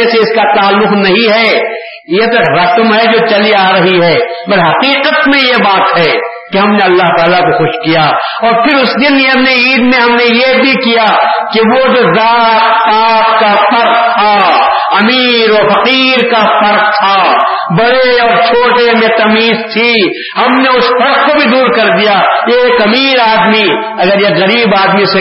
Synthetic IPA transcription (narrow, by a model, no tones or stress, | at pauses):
eseɪskat̪aːlːʊqnɐɦĩɦɛː | jet̪oɾɐsmɦɛd͡ʒot͡ʃɐliaːɾɐɦiɦɛːbɐlɦɐqiːqət̪mẽjebaːt̪ɦɛː | keɦɐmneɐlːaɦt̪aːlakoxʊʃkija | ɔːɾpʰɪɾʊsd̪ɪneɦɐmneiːd̪mẽɦɐmnejebʱikijakeʋod͡ʒozaːt̪aːt̪kafɐɾq̚t̪ʰa | ɐmiːɾɔːɾfɐqiːɾkafɐɾq̚t̪ʰa | bɐɽeɔːɾt͡ʃʰoːʈemẽt̪ɐmiːzt̪ʰi | hɐmneʊsfɐɾq̚kobʱid̪uːɾkɐɾd̪ijaekɐmiːɾaːd̪mi | ɐɡəɾjeɣɐɾiːbaːd̪mise